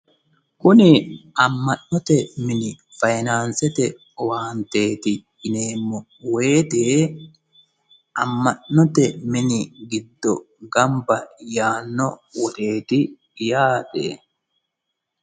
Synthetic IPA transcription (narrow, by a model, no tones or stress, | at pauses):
kʊnɪɐmːɐʔnɔt̪ɛmɪnɪ | fɐjnaːnsɛt̪ɛ | ɔwaːnt̪e̞ːt̪ɪː | ne̞ːmːɔ | we̞ːt̪eː | ʔɐmːɐnnɔt̪ɛmɪnɪɡɪd̪ːɔ̰ | ɡɐmbɐjaːnːɔwɔt̪e̞ːt̪ɪ | jaːt̪ḛː